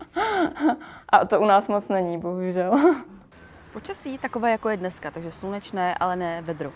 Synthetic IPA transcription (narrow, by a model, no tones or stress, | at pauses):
ʔat̪oʔunaːsmot͡snɛɲiːboɦuʒɛl | po̞t͡ʃasiːt̪akovaːjakojɛdnɛskat̪aɡʒɛslunɛt͡ʃnɛːʔa̰lɛnɛːvɛd̪ɾo